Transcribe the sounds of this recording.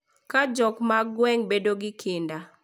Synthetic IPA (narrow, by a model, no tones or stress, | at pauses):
kad͡ʒɔkmaɡwɛŋbedoɡɪkʰɪnda